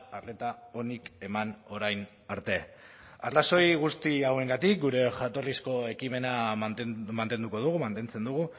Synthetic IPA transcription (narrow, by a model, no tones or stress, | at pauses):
arle̞t̪ao̞nike̞mano̞ɾajn | aɾt̪e̞ | arlaso̞jɣust̪iawe̞ŋɡat̪ik̚ɡuɾe̞xat̪o̞rlisko̞e̞kime̞na | mant̪e̞nd̪uko̞ð̞uɣumant̪e̞nt͡se̞nd̪uɣ̞u